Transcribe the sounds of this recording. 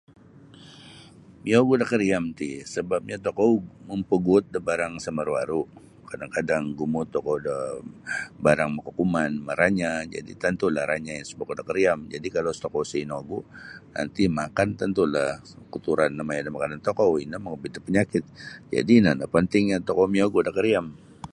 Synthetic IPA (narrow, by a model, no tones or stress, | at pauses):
mioɡudakəɾiamt̪isəbap̚ɲat̪okowməmpəɡut̪̚dəbaɾaŋsəməɾwaɾu | kadaŋkadaŋɡumʊt̪ːɔkɔwdə | baɾaŋməkukumanməɾaɲad͡ʒa̰dḭt̪ənt̪ulahɾʔaɲajaŋsə̥pokodakəɾiamd͡ʒadikalost̪okowsəinoɡuna̰nt̪imakant̪ənt̪ulah | kut̪uɾanːamajadamakanant̪okowinaməŋəbit̪apəɲakɪt̪̚d͡ʒa̰dinanapənt̪ɪŋɲat̪ɔkomioɡudakəɾiam